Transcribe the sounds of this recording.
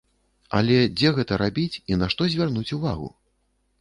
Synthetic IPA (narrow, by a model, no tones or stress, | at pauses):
ɐ̰lʲɛd͡zʲɛɣɛt̪ɐɾabʲit͡sʲinaʂt̪ɔzʲvʲarnut͡sʲuvaɣṵ